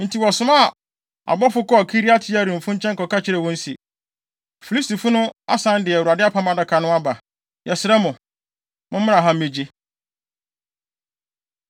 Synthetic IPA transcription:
n̩˨tʰi˨wɔ˨sʊ̃˦ma˦˨ | a̰˨bɔ˦fʊ˦kɔ˦˨kʰi˦ɾi˦a˦tʰɪ˦a˦ɾĩ˨m̩˨fʊ̃˦ɲ̩˦t͡ɕʰɛ̃˦ŋ˦kɔ˨ka˦t͡ɕʰɪ˦ɾɛ˨wɔ̃˦n̩˦sḭ˨ | fi˨li˦sti˨fʊ˦nʊ̃˦a̰˦sã˦n˦dɪ˨u˨a˨dɪ˦a˦pʰa˦mã˨da˨kʰa˨nʊ̃˦a˦ba˨ | jɛ˨sɪ˨ɾɛ˦mʊ̃˨ | mʊ̃˦m̩˦mɪ̃˦nã˨ɦã˦m̩˦mẽ˨d͡ʑi˦

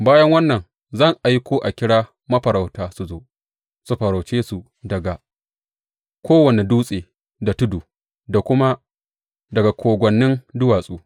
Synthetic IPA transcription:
baː˦jɐ˦ŋwɐ˦nːɐ˨ŋ | zɐ˦˨ŋʔa˨jkʷoː˦ʔa˨kʲɪ˦ɽaː˦ | mɐ˦ɸɐ˨ɾa˨wtaː˦su˨zoː˦ | su˦ɸɐ˨ɾa˨wt͡ʃeː˦su˨ | dɐ˨ɡa˨ | kʷoː˦wɐ˨ne˨duː˦sʼeː˨ | da˨tʊ˦duː˨ | da˨kʷʊ˦ma˦ | dɐ˨ɡa˨kʷoː˨ɡʷɐ˨nːɪ˦ndʊ˦waː˨sʼuː˦

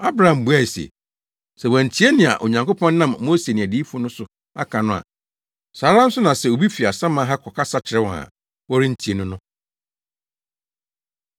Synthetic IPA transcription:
a˦bɾa˨ã˨m̩˨bu˨˦a˦˨i˨sḛ˨ | sɛ˨wæ̃˨n̩˨tʰi˨˦e˦nɪ̃˨a̰˨ʔo̰˨ɲã˨ŋkʰo˦pʰɔ̃˦nː˦ã˦mmːoː˦se˨nɪ̃˨æ˨di˦fʊ̃˦nʊ̃˦sʊ˨ | a̰˦kʰã˨nʊ̃˦a̰˨ | saː˨˦ɾã˦n̩˦sʊ˦nã˨sɛ˨o˨bi˦fi˨a˨sã˦mã˦ɦa˦kʰɔ˨kʰa˦sa˦t͡ɕʰɪ˨ɾɛ˦wa̰˨ | wɔ˦ɾi˦n̩˨tʰi˨e˦nʊ̃˦nʊ̃˦

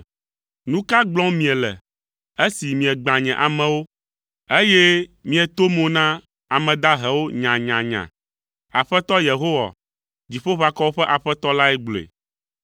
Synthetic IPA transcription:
nũ˦ka˦ɡ͡blɔ̃˦mĩ˨ɛ˨lɛ̰˨ | e˦si˨mĩ˨ɛ˨ɡ͡bã˨ɲɛ̃˨ʔa˨mɛ̃˨wo˦ | e˦jɛ˦mĩ˦ɛ˨t̪o˦mõ˨nã˦ | a˨mɛ̃˨d̪a˦ɦɛ˨wo˦ɲã˨ɲã˨ɲã̰˨ | a˨ɸɛ˦t̪ɔ˦je˨ɦo˦wa̰˨ | d͡ʑi˨ɸo˦ɸa˨kɔ˦wo˦ɸɛ˦ʔa˨ɸɛ˦t̪ɔ˦la˦ɛ˦ɡ͡blḛ˨

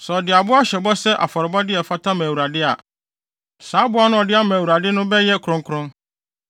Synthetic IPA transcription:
sɛ˨ɔ˨dɪ˨a˨bʊ˦a˦ɕɛ˨bɔ˦sɛ˦ʔa̰˨fɔ˨ɾɪ˨ba˦dɪ˦ɛ˨fa˦tʰã˦mæ̃ː˨wu˨ɾa˨dɪ˦a̰˨ | saː˨˦bʊ˦a˦nʊ̃˦ɔ˨dɪ˦a˦mæ̃ː˨wu˨ɾa˨dɪ˦nʊ̃˦bɛ˦jɛ˦kʰɾʊ̃˦ŋkʰɾʊ̃˦

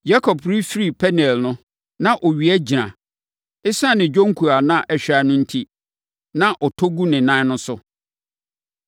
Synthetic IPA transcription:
ja˦kʰɔ˨pɾi˦fɾi˦˨pʰɛ˦nɛ˨lnʊ̃˦ | nã˦˨ʔɔ˨ɥi˨ɛ˦d͡ʑi˨ɾã̰˨ | ɪ˦sã˦˨nɪ̃˨d͡ʑᶣõ˦ŋ˦kʰu˨a˨nã˦ʔɛ˨ɕᶣa˨˦nʊ̃˦n̩˦tʰi˦ | nã˦ʔɔ˨tʰo˦ɡu˦nɪ̃˨nã˦nʊ̃˦sʊ˦

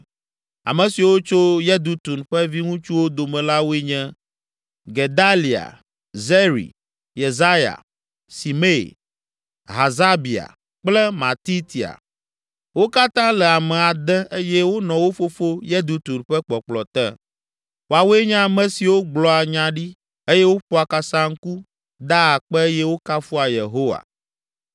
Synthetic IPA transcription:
a̰˨mɛ̃˨si˨wo˦t͡ʃo˦jɛ˦d̪u˦t̪u˨nɸɛ˦vi˦ŋũ˦t͡ʃu˦wo˦d̪o˨mɛ̃˨la˦wo˦e˦ɲɛ̃˦ | ɡe˨d̪a˦li˨a̰˨ | ze˦ɾḭ˨ | je˨za˦ja̰˨ | si˨mḛ˦˨ | ɦa˨za˦bi˨a̰˨ | k͡plɛ˦mã˨t̪i˦t̪i˨a̰˨ | wo˦ka˦t̪ã˦lɛ˨a˨mɛ˨a˨d̪ɛ˦ʔe˦jɛ˦wo˦nɔ̃˨wo˦fo˦fo˦je˦d̪u˦t̪u˨ɾɸɛ˦k͡pɔ˨k͡plɔ˨t̪ɛ̰˦ | wo˨a˨wo˦e˦ɲã˦mɛ̃˦si˨wo˦ɡ͡blɔ˦a˨ɲã˦ɖi˦ | e˦jɛ˦wo˦ɸɔ˦a˨ka˦sã˦ŋ̩˦ku˦ | d̪a˦a˨k͡pɛ˦jɛ˦wo˦ka˦fu˦a˨je˨ɦo˦wa̰˨

